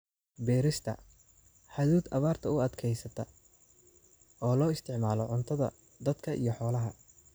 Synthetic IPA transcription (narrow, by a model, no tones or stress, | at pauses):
bɛːɾɪst̪ʰɐ̰ | ħaðuːd̪ʔɐβaːrt̪ʰɐʊɐd̪kʰɛjsɐt̪ʰɐ | ɔːlɔːɪst̪ʰɪʕmaːlɔʕʊnt̪ʰɐðɐ̰ | d̪ɐd̪kʰɐʔḭjɞħɔːlɐɦɐ